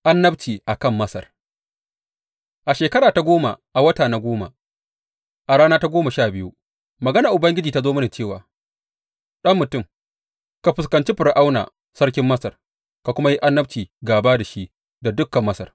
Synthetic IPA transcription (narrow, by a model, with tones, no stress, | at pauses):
ʔa˦nːɐ˦bt͡ʃiː˨ʔa˨kɐ˦˨mːɐ˦sɐ̰˨r | ʔa˨ʃeː˨kɐ˦ɽaː˨ta˨ɡʷoː˦ma̰˨ʔa˨wɐ˦taː˨na˦ɡʷoː˦ma̰˨ | ʔa˨ɽaː˦naː˦ta˦ɡʷoː˦mɐ˨ʃaː˦˨bɪ˦ju˦ | mɐ˨ɡɐ˦naː˨ʔʊ˨bɐ˦ŋɡʲɪ˦d͡ʒiː˨ta˦zoː˦mɐ˦ni˨t͡ʃeː˦˨wa̰ː˨ | ɗɐ˦mːʊ˨tʊ˦˨m | ka˨ɸɪ˨skɐ˨nt͡ʃi˦ɸɪ˨ɾʔa˦wna̰ː˨ | sɐ˦ɽkʲɪ˦mːɐ˦sɐ˨r | ka˨kʷʊ˦ma˦ji˦ʔa˦nːɐ˦b̚t͡ʃiː˨ɡaː˨baː˦da˨ʃi˦ʔ | da˨dʊ˦kːɐ˨mːɐ˦sɐ̰˨r